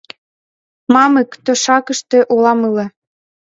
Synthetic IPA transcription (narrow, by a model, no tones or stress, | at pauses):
mɑməkt̪øʃɑkə̆ʃt̪ĕʔulɑmɯlĕ